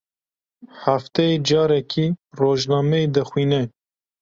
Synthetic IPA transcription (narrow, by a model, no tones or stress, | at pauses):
ħaft̪ɛed͡ʒɑːɾɛkʰiroːʒnɑːmeed̪ɛxwiːnɛ